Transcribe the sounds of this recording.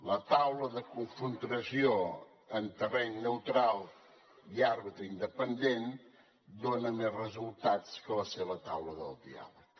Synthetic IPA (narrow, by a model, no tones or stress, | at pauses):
lət̪awləðəkuɱfənt̪ɾəsio | ənt̪ərɛɲnəwt̪ɾalˠ | iarβit̪ɾəind̪əpənd̪en | d̪onəmezrəzulˠt̪at͡skələseβət̪awləðəlˠd̪ḭa̰lək